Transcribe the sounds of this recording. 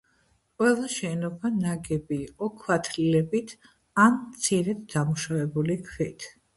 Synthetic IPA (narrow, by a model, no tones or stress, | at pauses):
qʼwɛlˠaʃɛnɔbanaɡɛbiːqʼɔkʰwat̪ʰɾilɛbit̪ʰ | ant̪sʰiɾɛd̪d̪amuʃavɛbulikʰvit̪ʰ